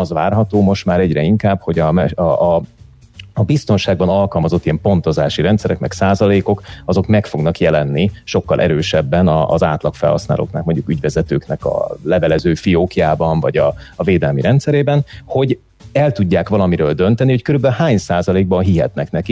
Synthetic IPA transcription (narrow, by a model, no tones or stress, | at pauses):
ɒzʋaːrɦɒt̪oːmo̞ʃt̪maːɾɛɟrɛiŋkaːbho̞ɟɒmɛ | bist̪o̞nʃaːɡ̚bɒnɒlkɒlmɒzo̞t̪ːiɛmpo̞n̪t̪o̞zaːʃiɾɛnt̪sɛɾɛkmɛksaːzɒleːko̞kɒzo̞kmɛkfo̞ɡnɒkjɛlɛnːiʃo̞kːɒlʔɛ̰ɾøːʃɛbːɛnɒ̰za̰ːt̪lɒkfɛ̰lhɒ̰sna̰ːlo̰ːkna̰ːkmoɲɟukyɟvɛzɛt̪ø̰ːknɛkɒ̰lɛvɛlɛzøːfioːkijaːbɒɱvɒɟɒːveːd̪ɛlmiɾɛnt̪sɛɾeːbɛnho̞ɟ | ɛlt̪uɟːaːkʋɒlɒmiɾøːld̪ø̞nt̪ɛniho̞ckøɾybɛlhaːɲsaːzɒleːɡ̚bɒnɦiɦɛ̰t̪nɛknɛki